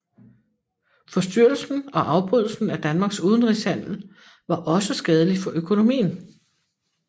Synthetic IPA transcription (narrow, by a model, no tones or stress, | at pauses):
fɒ̽sd̥yɐ̰l̩sn̩ɒ̽ʔɑ̈ʊb̥ʁyð̞̰ˠl̩sn̩æd̥ænmɑ̈ːɡ̥suːð̞ˠn̩ʁishæn̰l̩ | ʋɑ̈ʔɒ̽səsɡ̥ɛːð̞ˠəlifɒ̽ʔøkʰo̝no̝mḭːn̩